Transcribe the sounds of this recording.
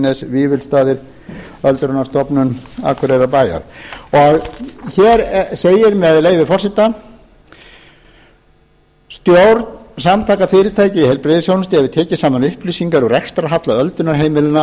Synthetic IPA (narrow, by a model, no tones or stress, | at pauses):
nɛsviːvɪlst̪aːðɪɾ | œlt̪ɾʏnast̪ɔpnʏna̰kʰʏɾɛɾapaːja̰ɾ̥ɔɣçɛɾseːjɪɾmɛaðleːjðɪfɔr̥sɪt̪a | st̪jowɾt̪nsamt̪ʰaːkafɪːɾɪɾ̥t̪ʰaːjcɪihɛlpɾeðɪsjownʏst̪ɪavɪt̪ʰɛːcɪ̥saːmanʏhpliːsiŋkaɾʏrɛkst̪ɾaɦat̪laœlt̪ʏnaɾɦeːjmɪlɪna